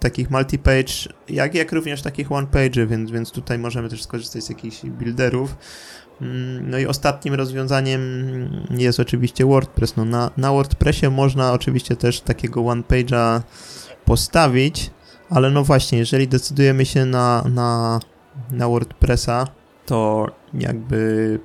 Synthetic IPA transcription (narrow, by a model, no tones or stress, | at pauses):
t̪akʲixmalt̪ʲipɛjt͡ʂja̰kjakɾuvɲɛʂt̪akʲixwanpɛjd͡ʐɘvʲjɛnt̪zvʲjɛnt̪st̪ut̪ajmɔʐɛmɘt̪ɛʂskɔʐɘst̪ad͡ʑzjakʲixʑbʲild̪ɛɾuf | nɔiʔɔ̰st̪at̪̚ɲimɾɔzvʲjɔ̃zaɲɛm | jɛst̪ɔt͡ʂɘvʲiɕt͡ɕɛwɔɾt̪̚pɾɛsnɔnanawɔɾt̪pɾɛɕɛmɔʐnaɔt͡ʂɘvʲiɕt͡ɕɛt̪ɛʂt̪akʲɛɡɔwanpɛjd͡ʐa | pɔst̪avʲit͡ɕ | alɛnɔvwaɕɲɛjɛʐɛlʲid̪ɛt̪sɘd̪ujɛmɘɕɛnana | nawɔɾt̪pɾɛsa | t̪ɔja̰ɡ̚bɘ